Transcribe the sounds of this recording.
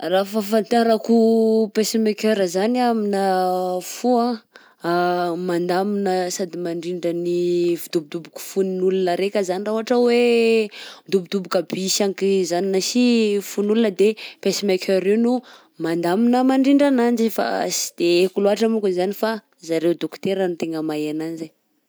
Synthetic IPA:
rafafant̪aɾakupesimekøɾəzaniaminəfuã | mand̪aminəsad̪imaɳɖ͡ʐiɳɖ͡ʐənivud̪ubid̪ubuku̥funnulunəɾekʲəzanirauɦaʈ͡ʂəwe | d̪ubud̪ubukabisaŋkizaninasifunulunəd̪epesimekʰøɾewnu | mand̪aminəmaɳɖ͡ʐiɳɖ͡ʐanand͡ʒifa̰si̥d̪̥eekuloaʈ͡ʂəmukunzanifa | zaɾewd̪okt̪eɾənut̪eŋɡəmajananze

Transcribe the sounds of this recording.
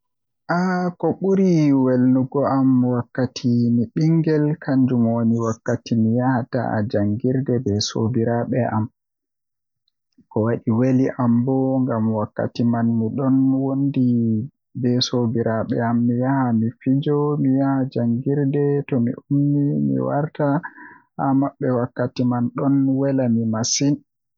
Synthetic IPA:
ʔakɔɓuɾiwelnuɡɔʔamwakːatʰimiɓiŋɡɛlkʰaɲd͡ʒumoniwakːatimijahata̰d͡ʒaŋɡiɾdɛbɛso̰biɾaɓɛʔam | kɔwaɗiweliʔambɔŋɡamwakːa̰timanmiɗɔnwondi | bɛsobiɾʔaɓɛ̰amːijahamifid͡ʒɔmijahad͡ʒaŋɡiɾdɛtɔmḭumnimḭwa̰ɾta | amaɓːɛwakːatimanɗɔnwɛlamimasin

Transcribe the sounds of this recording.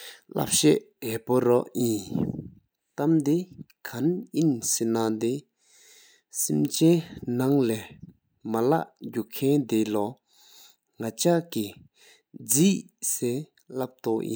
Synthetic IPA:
la̰p̚ɕɛʔɦɛpoɾɔʔji | t̪amd̪e | kʰanʔinsenad̪e | simt͡ɕɛnaŋlɛː | mala̰ʔɟukʰɛnd̪elɔ | ŋat͡ɕaʔki | d͡ziːsɛː | lap̚t̪oʔjḭ

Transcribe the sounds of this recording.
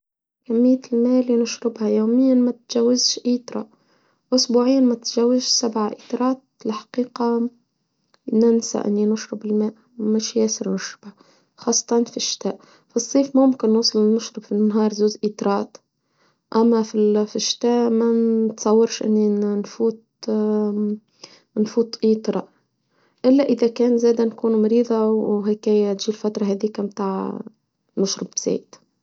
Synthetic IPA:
kamːɪjːt̪ɪlmeːʔlːinʊʃɾɪbhajoːmɪjːanmat̪ʒawːɪzʃʔiːt̪ɾˤɑ̰ | ʔʊsbuːʕɪjːanmat̪ʒawːɪzʃsabʕaʔiːt̪ˤɑɾˤɑːt̪̚lħḁqiːqa | nɪnsa̰ʔɪ̰nːinʊʃɾɪbɪlmeːʔ | mɪʃjeːsɪɾnʊʃɾɪbha | xɑːsˤːɑ̥t̪ˤɑnfiʃːɪ̥t̪aːʔ | fisˤːiːfmʊmkɪnːuːsˤɨlnʊʃɾɨbfinːɦɑːɾˤzuːzʔiːt̪ɾˤɑːt̪ | ʔamːafifiʃːɪ̥t̪aːʔmant̪sˤɑwːɑɾʃʔɪ̰nːinfuːt̪̚ | nfuːt̪ʔiːt̪ˤɾˤɑ | ʔɪlːaʔɪðakeːnzeːd̪ankuːnumɑɾiːðˤɑwɦɪkeːjat̪ʒ̥iːlfat̪ɾˤɑɦad̪iːkamt̪aːʕ | nʊʃɾɪbz̥ḛːt̪

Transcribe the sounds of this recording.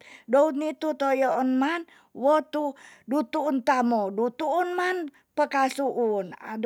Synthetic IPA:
dout̪nit̪ut̪ojoɔnman | wɔt̪udut̪uːnt̪amodut̪uːnman | pəkasuʔuna̰d

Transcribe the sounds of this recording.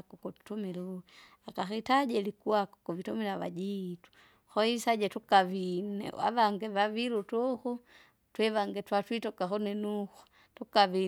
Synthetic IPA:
kɔkutu̥tumilu | akaxitaɟɛlikuakɔ̥kuvitumilaβa̰d͡ʒitu̥ | xɔisad͡ʒɛtukaβinɛ̰a̰βaŋɡɛβaβilutɔxu | twɛβaŋɡɛtwatwitɔkaxɔnɛnuxɔ̥ | tukaβi

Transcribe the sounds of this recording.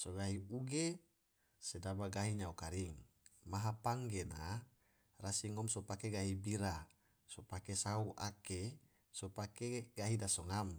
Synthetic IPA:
soɡaɦiuɡe | sedabaɡaɦiɲaukaɾiŋ | maɦapaŋɡena | rasiŋɔmsopakeɡaɦibiɾa | sopakesauʔake | sopakeɡ̥aɦidasoŋam

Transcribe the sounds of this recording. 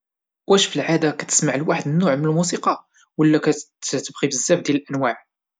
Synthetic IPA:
wæʃfəlʕad̪akæt̪ə̥smaʕəlwaħəd̪nːʊʕmənəlmusiqɑ | wəlːækæt̪əbɣibəzːæbd̪jæləlʔænwaʕ

